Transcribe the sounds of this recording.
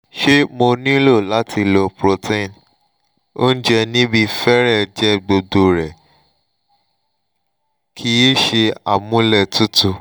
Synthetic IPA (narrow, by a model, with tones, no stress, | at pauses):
ʃe˦mo˧nĩ˦lo˦˨la˦ti˧lɔ˧pɾo˧tʰẽ˦˨n | o˦n̩˦d͡ʒɛ˧nĩ˦bi˧fɛ˦ɾɛ˦˨d͡ʒɛ˦ɡ͡bo˧do˧ɾɛ˨ | kʰi˦i˦ʃe˧a˨mũ˦lɛ˦˨tu˦tu˧